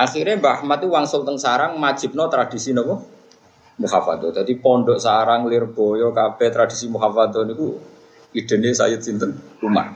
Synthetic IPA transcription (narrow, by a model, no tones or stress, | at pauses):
ʔaxiɾembaahmat̪̚uwaŋsɔt̪əŋsaɾaŋmḁʒ̥ɪ̤p̚nɔt̪ɾad̥i̤sinɔpɔ | muhafa̰t̪ɔd̪ad̪ipɔɳɖɔʔsaɾaŋlɪrb̥ɔ̤jɔkab̥ɛt̪ɾad̥isimuɦafat̪ɔniku | iɖ̪̥ə̤nesa̰jət̪̚sint̪ənruma̰h